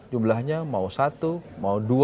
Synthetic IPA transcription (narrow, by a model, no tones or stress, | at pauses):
d͡ʒumlahɲamausat̪umaudu